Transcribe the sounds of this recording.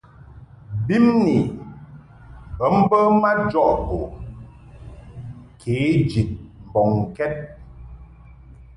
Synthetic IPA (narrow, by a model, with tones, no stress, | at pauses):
bi˦mni˨ | bə˨˦m̩˦bə˦ma˦d͡ʒɔ˦ʔto˨ | kʰeː˨˦d͡ʒi˨t̚m̩˨bɔ˨ŋ˨kɛ˦t̚